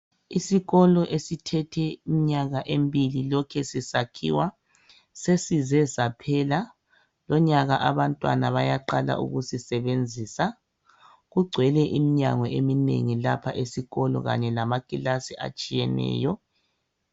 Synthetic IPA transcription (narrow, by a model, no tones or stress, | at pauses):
isiɣɔlɔʔesitʰɛtʰɛimiɲaɣaʔembililɔkʰɛsisakʰḭwa | sesizɛsapʰɛla | lɔɲaɣaʔaβantʼwa̰naβajaǃala̰ʔṵɣusisɛβend͡zʱiːsa | ɣuɡ͡ǀʱwɛlɛʔimiɲa̰ŋɔʔeminḛŋilapʰaʔesiɣɔlɔ̰ɣa̰ɲɛlamakʼilasiʔa̰t͡ʃʼijɛnɛ̰ːjɔ